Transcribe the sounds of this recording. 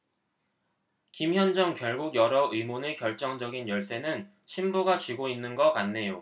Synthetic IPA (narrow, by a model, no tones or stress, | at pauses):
kimçjʌnd͡ʑʌŋkjʌɭɡuɡjʌɾʌʔɯimonekjʌɭt͡ɕ͈ʌŋd͡ʑʌɡinjʌɭs͈e̞nɯn | ɕʰimbuɡat͡ɕɥiɡoinːɯnɡʌkanːe̞jo